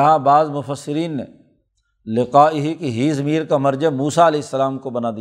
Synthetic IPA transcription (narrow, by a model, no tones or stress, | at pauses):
ɦãbaːzmʊfəsːɪɾiːnːḛ | lɪqaːiɦikiɦiːzɐmiːɾkamɐɾd͡ʒamuːsaɐleːɪsːɐlaːmkobɐnaːd̪i